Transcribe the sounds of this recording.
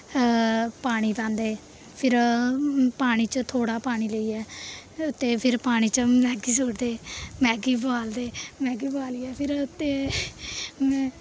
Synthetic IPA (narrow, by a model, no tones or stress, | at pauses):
paːɽ̃iːpãːnd̪eː | pʰɪɾ | paːɽ̃iːt͡ʃət̪ʰoːɽaːpaːɽ̃iːləiːɛːʊt̪ːeːpʰɪɾpaːɽ̃iːt͡ʃəmɛ̃ːɡiːsoːɾd̪eːmɛ̃ːɡiːbəaːld̪eːmɛ̃ːɡiːbaːliːɛːpʰɪɾʊt̪ːeː | mɛ̃ː